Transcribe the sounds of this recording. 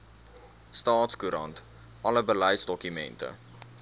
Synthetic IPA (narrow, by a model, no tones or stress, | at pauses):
stɑːtskuɾɐ̰nt | ʔɐləbələjsdɔkymɛ̰ntə̰